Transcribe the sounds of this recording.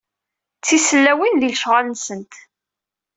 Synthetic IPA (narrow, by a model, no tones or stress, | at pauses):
t͡sːisəlːæwinðilʃʁalənsənt̪